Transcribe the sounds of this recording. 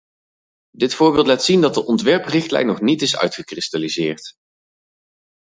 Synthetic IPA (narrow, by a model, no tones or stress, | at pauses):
dɪtfʊːɹbɪːlˠtlaːtsindɑt̚dəʔɔntʋɛɹprɪχtlɛ̰jnːɔχnitɪsœ̰ɥtχəkrɪstalizɪːɹt